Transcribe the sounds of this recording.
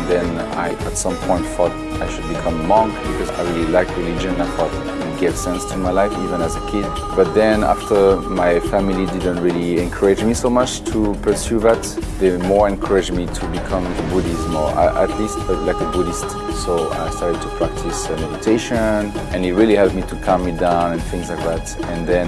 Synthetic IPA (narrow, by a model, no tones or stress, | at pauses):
ðɛ̃na̰ɪətsʌ̃mpʰɔ̃ɪ̃ntθɔt̚ | aɪʃud̚bikʰʌ̃mmɑ̃ŋkb̥ikʰɔza̰ɪɹililaɪkɹilid͡ʒɨ̃naɪfɔt̚ | ɡev̥sɛ̃nstʰumaɪlaɪfivə̃næzəkʰɪd̚ | bʌt̪̚ðɛ̃næ̰ftʰə˞maɪfæmilidɪd̃ntɹilˠiɛ̃nkʰɜ˞ɪd͡ʒmisoʊmʌt͡ʃtʰupʰə˞sjuvɪtðemɔɹɛ̃nkʰɜ˞ɪd͡ʒmitʰubikʰʌ̃məbudismɔ̰ɹa̰ɪʔə̰tʰlistaɪlaɪk̚əbuɾɪst | soʊa̰ɪstaɹɾɨd̚tʰupʰɹ̥æk̚tʰɪsmɛdɨtʰeɪʃə̃nɨ̃nitɹilˠihɛlpmitʰukʰʌ̃mːidãʊ̃nɨ̃nθɪ̃ŋzlaɪk̚ðætɨ̃nðɛ̃n